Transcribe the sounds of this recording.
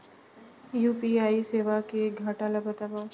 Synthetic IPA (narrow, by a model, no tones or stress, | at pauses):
juːpiaːiseːʋakeɡʱaʈaːlabət̪aːba